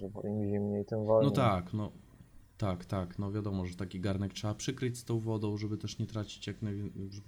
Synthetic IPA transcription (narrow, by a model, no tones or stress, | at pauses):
ʐɛbɔ̰ʔimʑimɲejt̪ɛmvɔlnɔt̪aknɔ | t̪akt̪aknɔvʲjad̪ɔmɔʐɛt̪akʲiɡaɾnɛk̚tʂɛbapʂɘkɾɘt͡ɕʲst̪ɔ̃w̃vɔd̪ɔ̃w̃ʐɛbɘt̪ɛʂɲɛt̪ɾat͡ɕi̥t͡ɕjaknajvʲʐɛ